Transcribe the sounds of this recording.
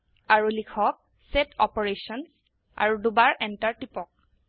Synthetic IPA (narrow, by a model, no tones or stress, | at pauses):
aɹulikʰɔk̚ | sɛtʰɔpɔɹesɔn | a̰ɹudubaɹʔɛntaɹtipɔk̚